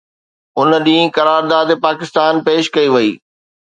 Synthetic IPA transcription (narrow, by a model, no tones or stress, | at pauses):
ʊnəɗĩːĩkɐɾaːɾd̪aːd̪paːkɪst̪aːnpeːʃkɐiʋɐiː